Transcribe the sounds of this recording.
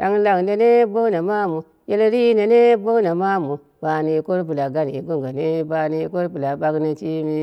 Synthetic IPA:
ta˦ŋ˦la˨ŋ˨ne˦ne˦bo˦na˨ma˦mu˨ | je˦lɾi˦ne˨ne˦bo˦na˨ma˦mu˨ | b̥a˨ni˨ko˦ɾp̬u˨la˨ɡa˦n˨i˨ɡo˦ŋɡa˨ne˦ba˨˦ni˨˦ko˦ɾpu˨la˨ba˦kna˨t͡ʃi˦mi˦

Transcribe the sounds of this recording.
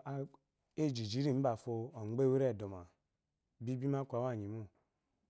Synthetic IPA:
a˦ | e˦˨d͡ʒi˨d͡ʒi˨˦ɾi˦˨m̩˦ba˨fo˧o˨ŋ͡mɡ͡be˦we˦ɾe˦˨do˨ma˨ | bi˦bi˦ma˦kʷa˨wa˦˨ɲi˨mu˦

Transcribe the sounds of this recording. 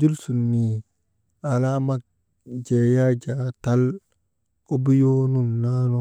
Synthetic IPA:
d͡ʒu˦lsu˨nːi˨ | a˨la˦ma˦k̚ | d͡ʒe˨ja˦d͡ʒa˨ta˦l | ko˦bi˦jo˦nu˦nna˦no˨

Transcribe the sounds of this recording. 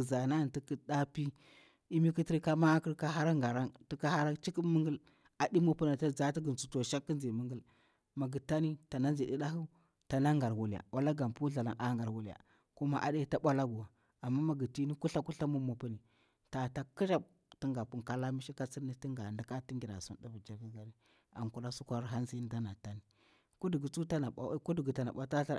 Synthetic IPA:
za˨na˦˨nti˦ki˦ɗa˦pi˦ | i˦mi˦ki˦ti˦ɾka˦ma˦kə˦ɾka˦ɦa˦ɾa˦ŋɡa˨ɾa˦ntu˦ka˦ha˦ɾa˦t͡ʃi˦ki˦mə˦ŋɡə˦l | a˨di˦mo˨pu˦na˨ta˦d͡za˨˦ti˦ɡə˨nt͡su˨to˨ʃa˦kːə˦nzi˨mə˦ŋɡə˦l | ma˨ɡə˨ta˦ni˦ta˨na˦nd͡ʒi˨ɗi˦ɗa˦ɦu˦ | ta˨na˦ŋɡa˨ɾwu˨la̰˨wʔa˦la˦ɡa˨mpu˦ɮa˨la̰˨ŋʔa˦ŋɡa˨ɾwu˨lja̰˨ | ku˦ma˦ʔa̰˨de˦ta˦ɓʷa˦la˦ɡu˨wa˨ | a˨mːa˦ma˨ɡə˨ti˦ni˦ku˦ɬa˦ku˦ɬa˦mu˦mu˨pu˦ni˨ | ta˨ta˦ki˦ʃa˦ | ti˦ŋɡa˨pu˨ŋka˦la˦mi˦ʃi˦ka˦t͡si˦ni˦ti˦ŋɡa˨ndi˨ka˦ti˦ŋɡi˨ɾa̰˨su˦nda˦bu˨d͡ʒa˨vi˦ɡa˨ɾi˦ | a̰˨ŋku˨la˦su˦kʷa˦ɾɦa˦nzi˦n˦da˦na˨ta˦ni˨ | ku˦di˨ɡi˨t͡su˦ta˦na˨a̰˦ku˦di˨ɡi˨ta˨na̰˨ɓa˦ta˦ɬa˦

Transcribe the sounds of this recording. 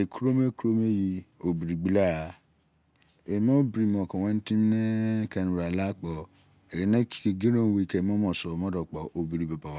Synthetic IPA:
e˨ku˦ɾo˦me˦ku˦ɾo˦me˦ji˧o˨bi˨ɾi˨ɡ͡bi˦la˦˨ | e˨m˦ɔ̃˦bi˨˦ɾi˨mɔ̃˨kɔ̃˨wɛ̃˦n̩˦tĩ˦m˦ne˦kɛ˧n˨ɾa˨la˦k͡pɔ˨ | e˨˦nẽ˦ki̥˨ke˧ɡi˦ɾõ˦˨˦we˦i˨kɛ˨m˦ɔ̃˦mɔ̃˨sɔ˨mɔ̃˦dɔ˨k͡pɔ˨ʔo˨bi˨ɾi˨ba˨ba˨wa˦

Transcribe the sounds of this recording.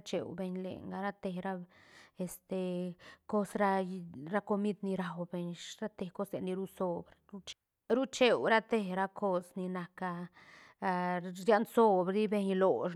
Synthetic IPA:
t͡ʃḛ˨wbe˧ɲlḛ˨ŋɡa˧˦ɾa˦t̪e˧ɾa˦e˨st̪e˨ko˦sɾa˦˧ɾa˦ko˧mi˦d̪ni˧ɾa˨wbe˧ɲɾa˦t̪e˨ko˦sle˨nːi˧ɾu˦so˧bɾɾu˦t͡ʃ | ɾu˦t͡ʃe˨wɾa˦t̪e˧ɾa˦kʰo˦sni˧na˨ka˧˨ | ja˦nso˦bɾɾi˦be˧ɲlo˨ʃ

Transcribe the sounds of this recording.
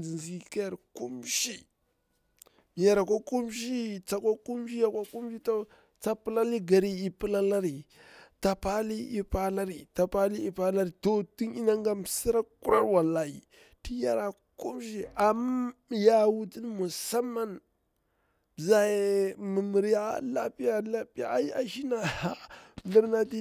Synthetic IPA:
d͡zi˨nzi˨ka˦ja˨ɾku˦mʃi˦˨ | ja˨ɾa˨ko˦ku˦mʃ̬i˦t͡sa˨kʷa˦ku˦m˦ʃi˦ja˦˨kʷa˦ku˦mʃi˦to˦ | t͡sa˦pə˦la˦li˦ɡa˨ɾi˦i˨pə˦la˦la˦ɾi˨ | ta˨pa˦li˦ʔi˦pa˦la˦ɾi˨ta˨pa˦li˦i˨pa˦la˦ɾi˨to˨ti˦ni˦na˦ŋɡa˦msi˦ɾa˦ku˦ɾa̰˦ɾwa˨lːa˨i˨ | ti˦ja˦ɾa˨ | ku˦mʃi˦a˨ma˦ja˨wu˦di˦nmu˨sa˦mːa˦n˨ | za˦je˨mə˨mi˨ɾi˦a˦la˦pi˦ja˨la˦pi˦a̰˨˦i˦a˦ʃi˦na˨a˨li˦ɾna˦di˦

